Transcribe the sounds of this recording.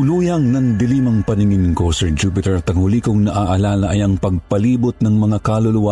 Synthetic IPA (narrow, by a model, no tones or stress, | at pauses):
luːjɐŋnɐŋd̪ɪliːmɐŋpɐnɪŋɪnkosɛɹd͡ʒupɪt̪ɛɹt̪ɐŋhʊlikʊŋnɐʔaːʔɐlaːlɐʔɐjɐŋpɐɡ̚pɐliːbʊt̪̚nɐŋmɐŋakalʊlʊwa